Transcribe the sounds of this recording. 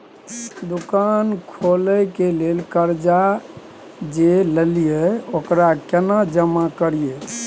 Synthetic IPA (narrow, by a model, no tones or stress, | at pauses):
d̪ukankʰoləkelelkəɾd͡ʒa | d͡ʒeləlijeokɾakenad͡ʒəmakəɾie